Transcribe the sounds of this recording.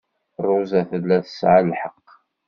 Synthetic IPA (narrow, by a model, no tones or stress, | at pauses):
rˤːʊzæθəðlæθə̥sʕalħəqː